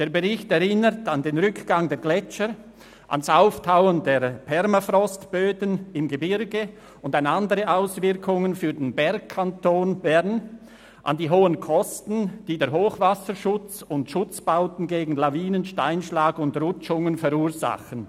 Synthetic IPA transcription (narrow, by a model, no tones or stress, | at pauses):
d̥eːɐʁbəʁɪçtɛʁɪnətɑndeːnʁʏkɡ̥aŋdeːɐɡlɛt͡ʃə | ʔa̰nasaʊftʰaʊəndeːɐpʰɛɾmafrɔstb̥øːdənɪmɡebɪɾɡə | ʊndanandəʁəʔaʊsvɪʁkʰʊŋənfyːɐdenbɛɾk̚kʰantʰoːnbɛɾn | ʔa̰ndiːɦoːənkʰɔstn̩d̥iːdeːɐɦoːχvasəʃʊt͡sʊntʃʊt͡sb̥aʊtn̩ɡeːɡŋ̩laviːnənʃtaɪnʃlaːɡʊntʁʊt͡ʃʊŋənfɛɾuːɐza̰χən